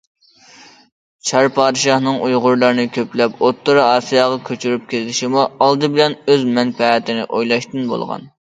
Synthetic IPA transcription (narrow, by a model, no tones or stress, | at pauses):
t͡ʃʰɑɾpʰɑːd̪ɨʃɑhnɨŋʔujʁʊɾlˠɑɾɨnɨkʲʰøplɛpot̪ʰːɨɾɑːsijɑːʁɑkʲʰøt͡ʃʰyɾyp̚kʲʰellɪʃimuɑlˠd̪ɨbɪlɛnøzmɛŋpʰɛːt̪ʰɪnɪ̰ʔojlˠɑʃt̪ɨnbo̰lˠʁɑ̰n